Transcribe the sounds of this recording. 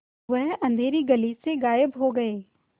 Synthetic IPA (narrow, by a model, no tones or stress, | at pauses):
ʋəɦɐ̃nd̪ʱeːɾiɡɐliseɡaːjəbɦoɡɐeː